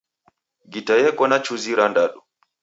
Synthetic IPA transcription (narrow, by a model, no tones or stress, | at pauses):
ɡitajɛkɔnat͡ʃuziɾandaɗu